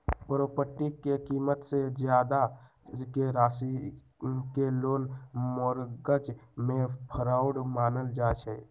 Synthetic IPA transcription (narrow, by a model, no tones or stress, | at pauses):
pəɾoːpəʈːikːekiːmət̪sed͡ʒjaːd̪a | keɾaːsi | keloːnmɔɾɡət͡ʃmẽpʰəɾaːʊɽmaːnəld͡ʒaːt͡ʃʰɛ